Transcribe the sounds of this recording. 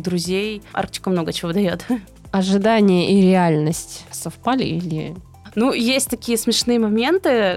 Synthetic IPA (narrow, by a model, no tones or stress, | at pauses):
d̪ɾʊzʲejʔa̰rk̚t̪ʲɪ̥kəmno̞ɡət͡ɕɪvod̪ɐjo̞t̪ | ɐʐɨd̪anʲɪjəʔiɾʲɪalʲnəsʲtʲsɐfpalʲɪ̰ilʲɪ̰ | nujesʲtʲt̪ɐkʲijəsmʲɪʂnɨjəmɐmʲe̞nt̪ɨ